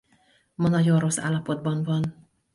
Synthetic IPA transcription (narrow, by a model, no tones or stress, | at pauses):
mɒnɒɟo̞nro̞sːa̰ːlːɒpo̞d̪̚bɒɱvɒn